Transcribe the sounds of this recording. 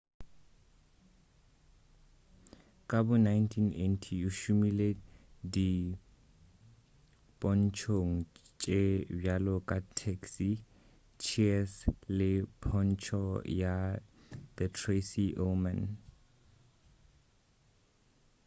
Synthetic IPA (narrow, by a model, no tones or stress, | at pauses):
kʼabʊnajntʰinḛntʰiuʃumiledi | pʼɔnt͡ʃʰoŋ̩t͡ʃʼebjalɔkʼatʰɛksi | t͡ʃʰiɛslɪpʰɔnt͡ʃʰɔja | ðətʰresiʔomɛn